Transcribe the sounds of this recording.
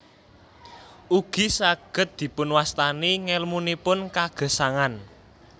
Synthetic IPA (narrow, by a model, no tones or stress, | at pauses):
ʔuɡ̥i̤saɡ̥ə̤t̪̚d̪̥i̤pʊnwast̪aniŋɛlmunipʊnkaɡ̥ə̤saŋan